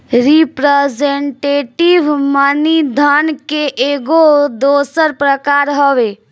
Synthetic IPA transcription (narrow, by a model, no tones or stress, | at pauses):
ɾipɾezeɳʈeːʈiʋmanid̪ʱankeʔeɡod̪oːsəɾpɾəkaːɾɦoʋe